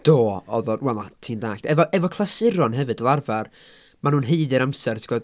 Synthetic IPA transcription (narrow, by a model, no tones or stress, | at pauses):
d̥oːɔvɔdwɛlˠatʰiːndaːkɛvɔʔɛvɔkʰlˠasɪɾɔnɦɛvɨdəlˠarvar | manuːnɦeɨðɨɾamsɛrtʰi̥ɡ̥ɔd